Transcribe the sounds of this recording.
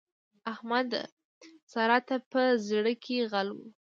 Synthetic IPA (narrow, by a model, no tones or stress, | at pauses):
ahmad̪ | sɑɾɑt̪apəzɽəkʰeɣalwu